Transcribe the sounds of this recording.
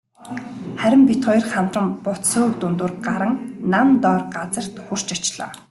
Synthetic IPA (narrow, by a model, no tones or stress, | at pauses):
χæɾʲɪ̆mpit̪χɔjrχam̥t̪rə̆mpʊt̪soːk̚t̪ʊnt̪ʊːrɢaɾə̆ŋnamt̪ɔːrɢat͡sə̆r̥t̪xur̥t͡ɕat͡ɕɪɮɔ̰ː